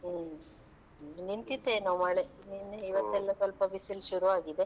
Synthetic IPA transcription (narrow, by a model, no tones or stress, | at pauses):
nint̪it̪enɐmɐɭeninːeiʋɐt̪ːɛlːɐsɔlpɐbisilʃuɾuaːɡid̪e